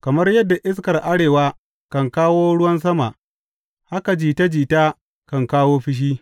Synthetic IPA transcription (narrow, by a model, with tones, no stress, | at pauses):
kɐ˨mɐ˦rjɐ˦dːa˨ʔɪ˦s̬kɐ˨rʔa˦ɽeː˨waː˦ | kɐ˨ŋkaː˦woː˦ɽʊ˦wɐ˦ns̬ɐ˦ma˨ʔ | ha˦ka˨d͡ʒiː˨ta˦d͡ʒiː˨taː˦ | kɐ˨ŋkaː˦woː˦ɸɪ˦ʃ̬iː˦